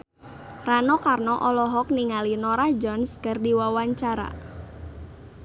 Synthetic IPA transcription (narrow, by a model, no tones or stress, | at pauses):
ranokarnɔʔɔlɔɦɔk̚niŋalinɔɾahd͡ʒɔnskardiwawaɲt͡ʃaɾa̰